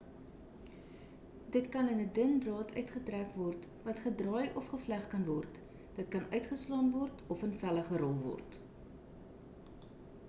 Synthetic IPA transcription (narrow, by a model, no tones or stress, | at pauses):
dətkɐnənədənbrɑːtʰœɥtχətrækvɔrt | vɐtχədrɑːjʔɔfχəflæχkɐnvɔrt | dət̚kɐnʔœɥtχəslɑːnvɔrtɔfənfæləχəɾɔlˠvɔ̰rt